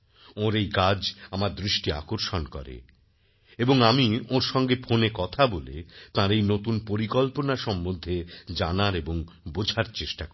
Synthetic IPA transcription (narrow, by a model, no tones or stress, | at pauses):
oɾejkad͡ʑamaɾd̪ɾiʃʈia̰koɾʃonkɔ̰ɾḛ | eboŋamioɾʃɔŋɡefʰonekɔt̪ʰabolḛt̪ãɾejnot̪unpoɾikɔlponaʃɔmːod̪ʱːed͡ʑanaɾeboŋbod͡ʑʱaɾt͡ɕeʃʈak